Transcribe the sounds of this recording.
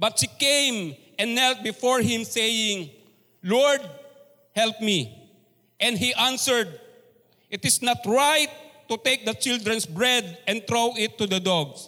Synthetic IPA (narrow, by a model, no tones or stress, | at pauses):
bɐt̪̚hikẽjmʔɛ̃nːɛlt̪̚bɪfɔɹhɪ̃msejɪ̃ŋ | lɔɹd̪̚ | hɛlp̚mi | ʔɛ̃nd̪ɦiʔãnsɛɹd̪̚ | ʔɪt̪ɪsnat̪ɹajt̪ː | ʊt̪ejk̚d̪ɐt͡ʃɪld̪ɾɹɛ̃nsbɹɛd̪̚ʔɛ̃nt̪ɹowɪt̪ːud̪ɐd̪ɔɡs